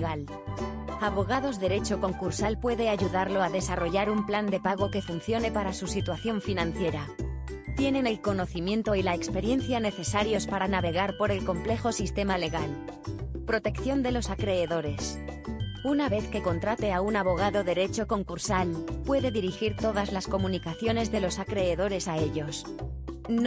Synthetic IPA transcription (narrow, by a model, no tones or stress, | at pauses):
ɣal | aβo̞ɣaðo̞zðe̞ɾe̞t͡ʃo̞ko̞ŋkuɾsalpwe̞ðe̞aʝuðaɾlo̞aðe̞saro̞ʝaɾumpland̪e̞paɣ̞o̞ke̞funθjo̞ne̞paɾasusit̪waθjo̞ɱfinãnθje̞ɾa | t̪je̞ne̞ne̞lko̞no̞θimjẽ̞nt̪o̞ilaekspe̞ɾje̞nθjane̞θe̞saɾjo̞spaɾanaβe̞ɣ̞aɾpo̞ɾe̞lko̞mple̞xo̞sist̪e̞male̞ɣal | pɾo̞t̪e̞kθjo̞nd̪e̞lo̞sakɾe̞ːðo̞ɾe̞s | unaβe̞θke̞ko̞nt̪ɾat̪e̞aunaβo̞ɣ̞aðo̞ðe̞ɾe̞t͡ʃo̞ko̞ŋkuɾsalpwe̞ðe̞ðiɾixiɾt̪o̞ðazlasko̞mũnikaθjo̞ne̞zðe̞lo̞sakɾe̞ːðo̞ɾe̞sae̞ʎo̞s | n